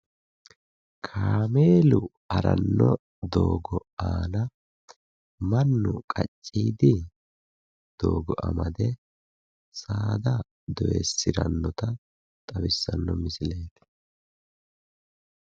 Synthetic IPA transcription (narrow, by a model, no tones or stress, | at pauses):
kʰaːmeːlʊ | ɐɾɐnːɔ | d̪oːɡɔaːnɐ | mɐnːʊkʼɐt͡ʃʼːiːd̪ɪ | d̪̥oːɡɔʔɐ̰mɐd̪ɛ | saːd̪ɐ | d̪ɔʔɛsːɪɾɐnːɔt̪ɐ | t̪ʼɐwɪsːɐnːɔmɪsɪleːt̪ɛ̥